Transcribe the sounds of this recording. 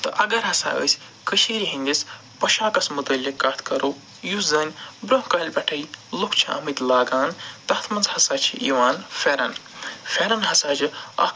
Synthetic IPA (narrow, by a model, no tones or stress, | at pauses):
t̪ɐʔɐɡɐɾɦɐsa̰ːʔə̰ːsʲ | kəʃiːɾiɦinʲd̪is | pɐʃaːkɐsmut̪əlʲikaːt̪ʰkɐɾo | juzɐnʲbɾoɦkɐɦlʲbɐʈʰɐjlukʰt͡ʃʰɐɐ̰mit̪laːɡaːnt̪ɐht̪ʰmɐnzhɐsaːt͡ʃʰiʔiʋaːnfeɾɐnfeɾɐnɦɐsaːd͡ʒiɐ̰